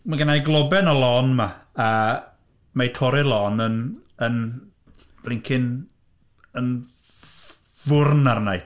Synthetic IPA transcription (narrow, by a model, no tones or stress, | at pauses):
maɡənajɡlˠɔbɛnɔlˠɔnmaa | majtʰɔɾɪlˠɔnən | ən | b̥lˠɪŋkʰɪn | ən | vʊrnarnaj